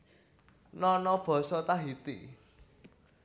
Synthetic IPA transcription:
nɔnɔb̥ɔ̤sɔt̪aɦit̪ḭ

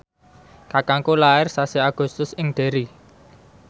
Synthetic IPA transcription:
kakaŋkolaɪrsasiaɡ̥ʊ̤st̪ʊsɪŋɖ̪̥e̤ɾi

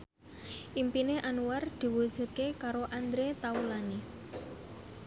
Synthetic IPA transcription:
ʔimpineʔanuward̪̥i̤wud̥ʒ̥ṳt̪̚kekaɾoʔand̪ɾet̪aulani

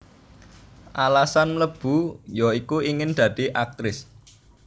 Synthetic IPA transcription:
ʔalasanləb̥ṳjɔikuiŋɪnd̪̥ä̤d̪̥i̤ʔak̚t̪ɾɪs

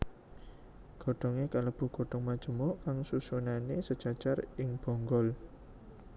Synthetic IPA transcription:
ɡ̥ɔ̤ɖ̥ɔ̤ŋekaləb̥ṳɡ̥oɖ̥ɔ̤ŋmad̥ʒ̥ə̤mɔʔkaŋsusunanesəd̥ʒ̥ä̤̥ʒ̥arɪŋb̥ɔ̤ŋɡɔl

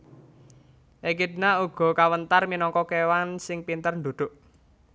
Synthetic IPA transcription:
ʔekid̪nauɡ̥ɔ̤kawənt̪arminɔŋkɔkewansɪŋpint̪ərɳd̪od̪̥ʊ̤ʔ

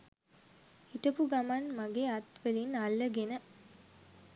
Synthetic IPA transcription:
iʈəpuɡamanmaɡeat̪ʋelinalːəɡenə

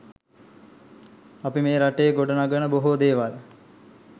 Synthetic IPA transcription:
apimeːɾaʈejɡoɖənaɡənəboɦod̪eːʋal

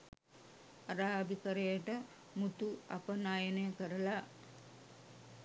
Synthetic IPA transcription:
aɾaːbikəɾejəʈə | mut̪uapənaːjenejəkəɾəla

